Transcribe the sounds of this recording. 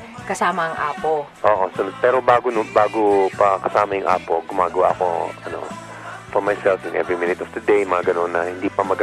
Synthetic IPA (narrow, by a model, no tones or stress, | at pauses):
kɐsaːmɐɐŋʔaːpoʔoːʔosɐnd̪̚pɛːɾo̞baːɡonʊbaːɡopɐkɐsaːmɐjʊŋʔa̰ːpo̞ɡʊmaːɡɐwa̰ʔɐko̞̰ɐno̞̰ | fɔɹmajsɛlfɪnʔɛ̰vɹimɪnɪt̪ɔfd̪ɐd̪ejmɐŋaɡɐno̞nːɐhɪnd̪iːpɐmɐɡ